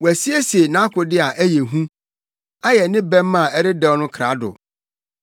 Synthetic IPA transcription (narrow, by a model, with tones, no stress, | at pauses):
wæ˨si˦e˦se˨nã˦kʊ˨dɪ˦a˨ʔæ˦je˨ɦũ˦ | a˦jɛ˨nɪ̃˦bɛ̃˦mː˦ã˨ɛ˦ɾɪ˦dɛ˦wnʊ̃˦kʰa˨˦dʊ̰˨